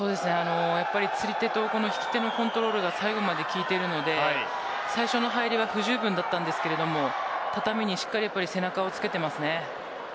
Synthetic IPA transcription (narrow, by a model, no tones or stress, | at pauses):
so̞ːd̪e̞sɨne̞ano̞japːaɾʲit͡sɨɾʲit̪e̞t̪o̞ko̞no̞çi̥kʲi̥t̪e̞no̞kõ̞nt̪o̞ɾo̞ːɾɯ̟ɡasaiɡo̞mad̪e̞kʲiːt̪e̞ɾɯ̟no̞d̪e̞a | saiɕo̞no̞ɦaiɾʲiβ̞aɸɯ̟ʑɨːbɯ̟̃nd̪at̪ːãnd̪e̞sɨ̥ke̞ɾe̞d̪o̞mo̞t̪at̪amʲiɲ̟iɕi̥kːaɾʲijapːaɾʲise̞nakao̞t͡sɨ̥ke̞t̪e̞masɨne̞